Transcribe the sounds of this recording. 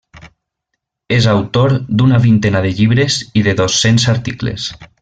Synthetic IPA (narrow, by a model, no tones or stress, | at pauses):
ezawt̪oɾd̪unaβint̪enaðeʎiβɾeziðeðosːensaɾt̪iklḛs